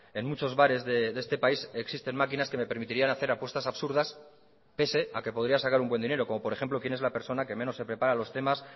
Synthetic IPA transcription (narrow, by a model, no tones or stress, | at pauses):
e̞nmut͡ʃo̞zβaɾe̞zðeðe̞st̪e̞paiseksist̪e̞nmakinaske̞me̞pe̞ɾmit̪iɾianaθe̞ɾapwe̞st̪asaβsuɾðas | pe̞se̞ake̞poðɾiasakaɾumbwe̞nd̪ine̞ɾo̞ko̞mo̞poɾe̞xe̞mplo̞kje̞nezlape̞ɾso̞nake̞mẽ̞nosːe̞pɾe̞paɾalo̞st̪e̞mas